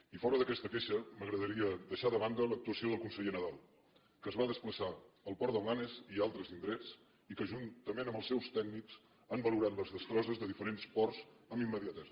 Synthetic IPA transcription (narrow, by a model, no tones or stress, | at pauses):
ifɔɾəðəkɛst̪əkeʃəməɣɾəðəɾiəd̪əʃaðəβ̞and̪ələk̚t̪uəsioðəlˠkunsəʎenəðalˠ | kəːzβaðəspləsaəlˠpɔɾd̪əwlanezialˠt̪ɾəzind̪ɾɛt͡s | ikəʒunt̪əmenəmbəlˠsɛwst̪ɛɡ̚nikz | əmbəluɾat̪ləzðəst̪ɾɔzəzðəðifəɾenspɔrz̥əmimːəðiat̪ɛ